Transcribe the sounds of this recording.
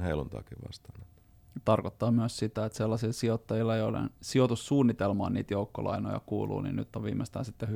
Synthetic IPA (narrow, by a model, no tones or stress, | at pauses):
heilunt̪ɑ̰ːkiʋʋɑ̰st̪ɑ̥ːnet̪ | t̪ɑrkot̪ːɑːmyøssit̪æet̪selːɑsilsiot̪ːɑjilːɑeiolḛnsiot̪ussuːnːit̪elmɑ̰ːniːt̪joukːolɑ̰ino̰jɑ̰kṵːlṵːnḭnnyt̪ːoʋʋiːmest̪æ̰ːnsit̪ːeh